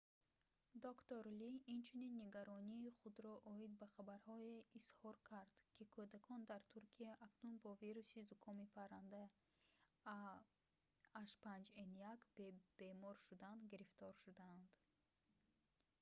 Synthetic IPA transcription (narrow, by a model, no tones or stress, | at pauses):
d̪okt̪oɾliint͡ʃʰuninːeɡaɾɔniːχud̪ɾɔʔɔid̪̚baχabaɾhɔeishɔɾkʰaɾd̪̥kʰikʰɔd̪akʰɔnd̪aɾt̪ʰuɾkʰiaʔaknunbɔviɾusizukʰɔmipʰaɾand̪a | ʃpand͡ʒenjakbb̥emɔɾʃud̪and̪ɡiɾift̪ɔɾʃud̪aːnd̪